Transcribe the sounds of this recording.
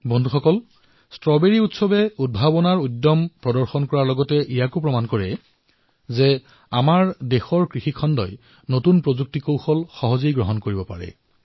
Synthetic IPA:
bɔndʱuxɔkɔl | stɹɔbeɹiutsɔbɛud̚bʱabɔnaɹudːɔmpɹɔdɔɹxɔnkɔɹaɹlɔɡɔtɛʔijakʊpɹɔmankɔɹɛ̰ | zɛ | amaɹdexɔɹkɹixikʰɔndɔ̰j | notunpɹozuk̚tikowxɔlxɔɦɔzijɡɹɔɦɔnkoɹibɔpa̰ɹɛ̰

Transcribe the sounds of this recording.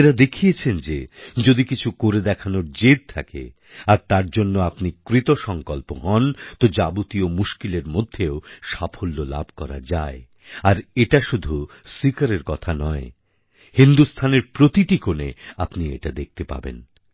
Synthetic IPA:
eɾad̪ekʰijet͡ɕʰend͡ʑed͡ʑod̪ikit͡ɕʰukoɾed̪ɛkʰanoɾd͡ʑed̪̚t̪ʰakḛ | aɾt̪aɾd͡ʑonːoapnikɾit̪oʃɔŋkɔlpoɦɔnt̪od͡ʑabut̪iomuʃkileɾmod̪ʱːeoʃafʰolːola̰bʱkɔɾa̰d͡ʑae | aɾeʈaʃud̪ʱu | sikaɾeɾkɔt̪ʰanɔe | hind̪ust̪ʰaneɾpɾot̪iʈikonḛapniḛʈad̪ek̚t̪epa̰bḛn

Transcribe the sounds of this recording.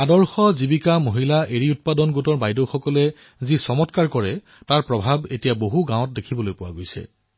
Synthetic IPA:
adɔɹxɔzibikamoɦilaʔeɹiut̚padɔnɡutɔɹbajdowxɔkɔlɛ | zisɔmɔtkaɹkɔɹɛ | taɹpɹɔbʱabetijaboɦuɡãw̃ɔ̃t̚dekʰibɔlojpʊwa̰ɡojsɛ̰

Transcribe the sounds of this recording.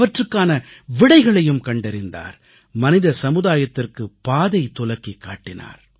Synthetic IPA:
ʋɐʈrɯkːaːnɐʋɪɽɐɪɣɐɭɐjɯmkɐɳɖɛɾɪnd̪a̰ːɾ | mɐnɪðɐsɐmɯðaːjɐt̪ːɪrkɯpaːðɐɪt̪ːʊlɐkːikːa̰ːʈːɪna̰ːɾ

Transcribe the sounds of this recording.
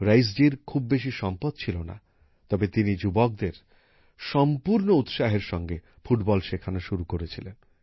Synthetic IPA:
ɾajsd͡ʑiɾkʰubːeʃiʃɔmpod̪̚t͡ɕʰilona̰ | t̪ɔbet̪inid͡ʑubok̚d̪eɾ | ʃɔmpuɾnout̪ʃaɦeɾʃɔŋɡe | fuʈbɔlʃekʰanaʃuɾukoɾet͡ɕʰilen

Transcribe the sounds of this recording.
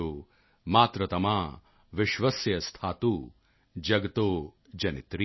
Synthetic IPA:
oː | maːt̪ɾɐt̪ɐmaː | ʋɪʃʋɐsjɐst̪ʰaːt̪u | d͡ʒɐɡɐt̪oː | d͡ʒɐnit̪ɾi

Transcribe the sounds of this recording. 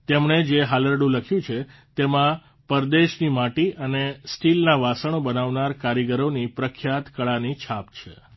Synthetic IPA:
t̪emɳed͡ʒeɦaləɾɖũləkʰjũt͡ʃʰet̪emã | pəɾd̪eʃnimaʈiənesʈilnaʋasəɳ̃obənaʋnaɾkaɾjiɡəɾonipɾəkʰjat̪kəɭanit͡ʃʰapt͡ʃʰḛ

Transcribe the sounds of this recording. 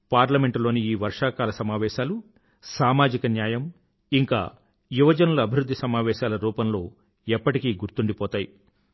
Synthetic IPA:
paːɾlɐme̞ɳʈlo̞ːniiːʋɐɾʂaːkaːlɐsɐmaːʋɛːʃaːlu | saːmaːd͡ʒikɐnjaːjɐm | iŋka̰ː | juʋɐd͡ʒɐnuluɐbʱiɾud̪ʱːisɐmaːʋɛːʃaːlɐɾuːpɐmlo̞ː | ɛpːɐʈikiːɡuɾt̪uɳɖipɔːt̪aːji

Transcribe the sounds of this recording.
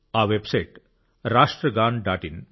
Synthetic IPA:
aʋebsajʈ | ɾaʂʈɾəɡaːɳɖaʈin

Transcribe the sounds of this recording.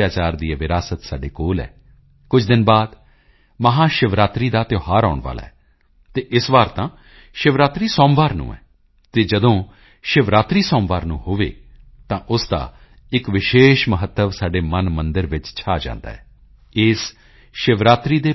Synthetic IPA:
jaːt͡ʃaːɾd̪ieːʋɪɾaːsət̪saːɖeːkoːlɛ̰ː | kʊt͡ʃʰd̪ɪnbaːd̪ | məɦãːʃɪʋɾaːt̪ɾiːd̪aːt̪ɪoːɦaːɾa̰ːʊɳʋa̰ːla̰ːɛː | t̪eːʔɪsʋaːɾt̪ãː | ʃɪʋɾaːt̪ɾiːsɔːmʋaːɾnṵ̃ːɛ̰ː | t̪eːd͡ʒəd̪õː | ʃɪʋɾaːt̪ɾiːsɔːmʋaːɾnṵ̃ːhoːʋḛː | t̪ãːʔʊsd̪a̰ː | ɪkʋɪʃeːʃməɦət̪ːəʋsaːɖeːmənmənd̪əɾʋɪt͡ʃt͡ʃʰaːd͡ʒã̰ːnd̪a̰ːɦɛː | ɪːs | ʃɪʋɾaːt̪ɾiːd̪eː

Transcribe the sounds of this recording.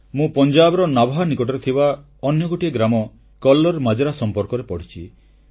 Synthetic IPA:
mũpɔnd͡ʒabɔɾɔnabʱɦanikɔʈɔɾet̪ʰiba | ɔnjɔɡoʈiaɡɾamɔ | kɔlːɔɾmad͡ʒɔɾasɔmpɔɾkɔɾepɔɽ̤it͡ʃʰi

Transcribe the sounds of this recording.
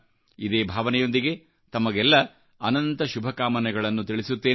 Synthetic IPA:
id̪eːbʱaːʋɐnɛjo̞nd̪iɡe̞ | t̪ɐmɐɡɛlːɐ | ɐnɐnt̪ɐʃubʱɐkaːmɐnɛɡɐɭɐnːut̪iɭisut̪ːeː

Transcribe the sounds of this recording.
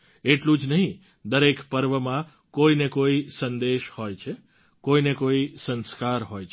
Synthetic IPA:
eʈlũd͡ʒnəɦĩ | d̪əɾekpəɾʋəmã | koinekoisənd̪eʃhojt͡ʃʰe | koinekoisə̃nskaɾɦojt͡ʃʰ

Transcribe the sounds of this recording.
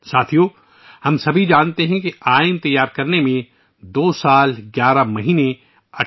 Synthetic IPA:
saːt̪ʰijo | hɐmsɐbʱid͡ʒaːnt̪eɦɛ̃kiaːɪnt̪ɐjːaːɾkɐɾnemẽ | d̪oːsaːlɡjaːɾamɐɦiːnẽ | ɐ

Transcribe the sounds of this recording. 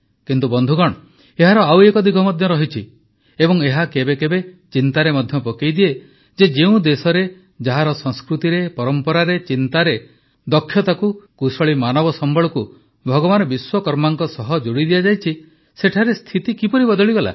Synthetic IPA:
kint̪ubɔnd̪ʱuɡɔɽ̃ɔ | eɦaɾɔawekɔd̪ikʰɔmɔd̪ʱjɔɾɔɦit͡ʃʰi | ebɔŋeɦakebekebe | t͡ʃint̪aɾemɔd̪ʱjɔpɔkejd̪ie | d͡ʒed͡ʒeũd̪esɔɾe | d͡ʒaɦaɾɔsɔŋskɾut̪iɾepɔɾɔmpɔɾaɾet͡ʃint̪aɾe | d̪ɔkʰːjɔt̪akukusɔɭimanɔbɔsɔmbɔɭɔku | bʱɔɡɔbanɔbiswɔkɔɾmaŋkɔsɔɦɔd͡ʒuɽid̪ijad͡ʒajt͡ʃʰi | seʈʰaɾest̪ʰit̪ikipɔɾibɔd̪ɔɭiɡɔla̰

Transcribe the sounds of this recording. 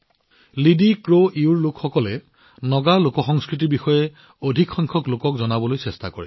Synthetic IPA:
lidikɹoʔiuɹlʊkxɔkɔlɛ | nɔɡalokɔxɔŋskɹit̬ibixɔjɛ | odʱikxɔŋkʰɔklokɔkzɔnabɔlojsɛstakoɹḭ

